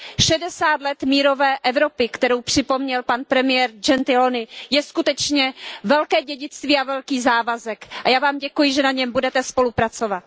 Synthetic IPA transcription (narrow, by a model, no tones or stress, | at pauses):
ʃɛdɛsaːt̪lɛt̪miːɾo̞vɛːʔɛvɾo̞pɪkt̪ɛɾowpr̝̥ɪpo̞mɲɛlpanpɾɛmɪjɛɾd͡ʒɛnt̪ɪlonɪjɛskut̪ɛt͡ʃɲɛvɛlkɛːɟɛɟɪt͡st̪viːavɛlkiːzaːvazɛkʔajaːvaːmɟɛkujɪʒɛnaɲɛmbudɛt̪ɛspo̞lupɾat͡sovat̪